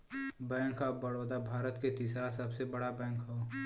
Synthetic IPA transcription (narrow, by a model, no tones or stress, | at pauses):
bɛ̃ːŋkɦabəɽoːd̪abʱaːɾət̪ket̪iːsɾasɐbsebɐɽabɛ̃ːŋkɦo